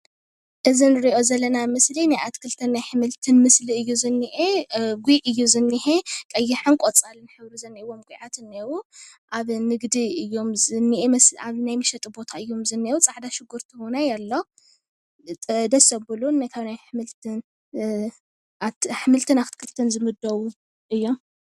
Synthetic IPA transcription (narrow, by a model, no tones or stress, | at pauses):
ʔɨzinɨɾiʔo̞zɐlːɐnamɨslinajʔat̪ʰkʰɨlt̪ʰɐnːajħɨmɨlt̪ʰɨnmɨsliɨjːuzɨnːiʔeɡujʔɨjːuzɨnːiħekʼɐjːiħɨnkʼot͡sʼalɨnħɨβɾizɐnːiiwo̞mɡʷʼuʕat̪ɨnːewuʔaβnɨɡd̪iɨjːo̞mzɨnːiʔemɐsaβnajmɨʃɐt̪ʼibo̞t̪ʰaɨjːo̞mzɨnːewut͡sʼaʕd̪aʃɨɡːuɾt̪ʰihonajalːo | d̪ɐsɐbbɨlunːajkʰawnajħɨmɨlt̪ɨn | aħɨmɨlt̪ʰɨnaft̪kʰɨlt̪ʰɐnzɨmɨd̪ːɐwu | ʔɨjːom